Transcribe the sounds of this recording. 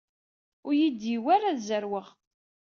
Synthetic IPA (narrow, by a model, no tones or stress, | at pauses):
ʊɾjid̪jiwaɾaðzəɾwəʁ